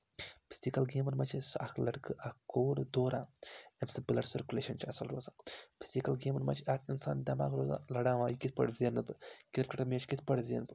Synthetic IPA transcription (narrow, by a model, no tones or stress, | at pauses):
pʰi̥zikɐlɡeːmɐɾmɐt͡ʃʰisɐkʰlɐɽkɨʔɐkkoːɾd̪oːɾaːemsɨbɨlɐɽsɐɾkʲuleːʃɐnt͡ʃʰɐsɐlɾoːzaːpʰi̥z̥ikɐlɡeːmɐɾmɐ̰t͡ʃʰiɐkʰinsaːnd̪ʲɐma̰ːkɾoːza̰ːlɐɽaːʋaːjikit̪ʰpɐ̰ɽzenɨbɨkit̪ɾkɐʈʰɐmeːt͡ʃʰkit̪ʰpɐɽzḛnbɨ